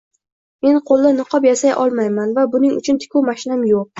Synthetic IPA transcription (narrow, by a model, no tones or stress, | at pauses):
me̞nqʰolˠːɪnɨqʰɒpjasajʔɒ̰lˠmajmanvabʊnɪŋʊ̰t͡ʃʰʊnt̪ʰɪ̥kʲʰuwmaʃɪnamjoq̚